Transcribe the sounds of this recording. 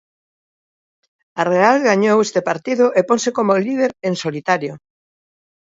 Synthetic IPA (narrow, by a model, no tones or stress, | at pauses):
arealɣaɲowest̪epaɾt̪iðʊʔeponsekomolið̞eɾensolit̪aɾjo